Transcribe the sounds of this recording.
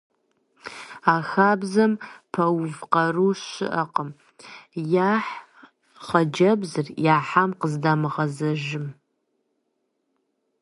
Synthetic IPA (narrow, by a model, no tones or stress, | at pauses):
aːxaːbzɐmpʰɐwvqɐruːʃɪ̰ʔɐqəm | jaːħ | χɐd͡ʒɐbzɨrjaːħamqəzdaːmɨʁɐzɐʒɪm